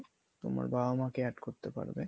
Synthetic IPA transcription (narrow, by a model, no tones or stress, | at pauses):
t̪oma̰ɾbʱamakeɛʈkoɾt̪epa̰ɾbe